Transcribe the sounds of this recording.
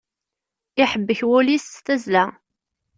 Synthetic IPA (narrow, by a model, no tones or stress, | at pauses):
ɪħəbːəçwʊlisːθæzlæ